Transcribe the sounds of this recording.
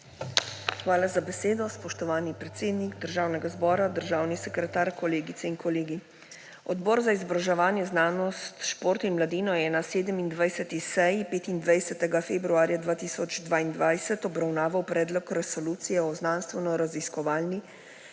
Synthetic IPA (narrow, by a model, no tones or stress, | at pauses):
xʋaːlazabɛseːd̪ɔspɔʃt̪ɔʋaːnipɾɛt̪seːd̪niɡd̪əɾʒaːwnɛɡazbɔːɾad̪əɾʒaːwnisɛkɾɛt̪aːɾkɔleːɡit̪sɛiŋkɔleːɡi | ɔd̪bɔɾzaizɔbɾaʒɛʋaːnjɛznaːnɔst̪ʃpoːɾt̪inmlad̪iːnɔjɛnaseːd̪əmind̪ʋajsɛt̪isɛjipeːt̪ind̪ʋajsɛt̪ɛɡafeːbɾuaːɾjad̪ʋaːt̪iːsɔd͡ʒd̪ʋaːind̪ʋajsɛt̪ɔbɾawnaːʋawpɾɛːd̪lɔkɾɛsɔluːt̪sijɛɔznanst̪ʋɛnɔɾaziskɔʋaːlni